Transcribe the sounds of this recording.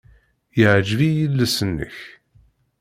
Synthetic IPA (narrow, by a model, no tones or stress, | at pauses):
jəʕd͡ʒvijəlːæsənːə̰ç